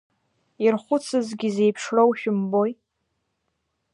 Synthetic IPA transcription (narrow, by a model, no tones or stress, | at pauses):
irχʷʊt͡sʰɨzɡʲize̞jpʰʂrowʃᶣʊmboj